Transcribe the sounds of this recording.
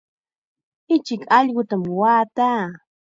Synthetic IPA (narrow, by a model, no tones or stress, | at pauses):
ɪt͡ʃɪkɑʎɢʊt̪amwaːt̪aː